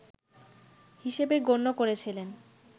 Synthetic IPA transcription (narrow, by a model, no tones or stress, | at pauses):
hiʃebeɡonːokoɾet͡ɕʰilen